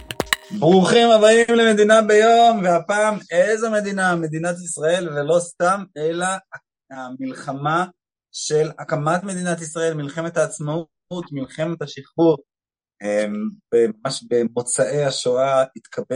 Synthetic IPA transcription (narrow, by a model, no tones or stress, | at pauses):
bʁuχimabaimleme̞d̪inabe̞jo̞mveapaːmezome̞d̪iname̞d̪inat̪̬isʁae̞lvelo̞st̪amela | amilχama | ʃe̞lakamat̪me̞d̪inat̪̬isʁae̞lmilχe̞met̪aːt͡sma | ut̪milχemet̪haʃiχbuʁ | embemamaʃbemo̞t͡saʔe̞jaʃoait̪kʰabe